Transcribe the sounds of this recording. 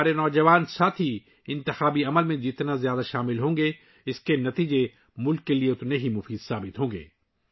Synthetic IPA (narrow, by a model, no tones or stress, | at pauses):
aːɾenɔːd͡ʒɐʋaːnsaːt̪ʰɦi | ɪ̃nt̪ɪxaːbiɐməlmẽd͡ʒɪt̪nazjaːd̪aʃaːmɪlɦõːŋɡe | ɪskenɐt̪iːd͡ʒe | mʊlkːelieʊt̪nẽɦimʊfiːd̪saːbɪt̪ɦõːŋɡḛː